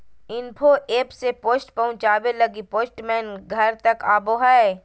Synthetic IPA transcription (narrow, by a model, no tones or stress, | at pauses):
ɪnpʰoʔeːpsepoːsʈpɐɦʊ̃t͡ʃaːwelɐɡipoːsʈmɛ̃ːnɡʱɐɾt̪ɐkaːboɦae